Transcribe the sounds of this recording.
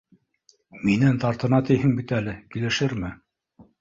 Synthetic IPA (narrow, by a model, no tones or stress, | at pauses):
minɘnt̪ɑɾt̪ɤ̆nɑt̪ɘjɦɘŋbit̪ælɘkilɘ̆ʃɘɾmɘ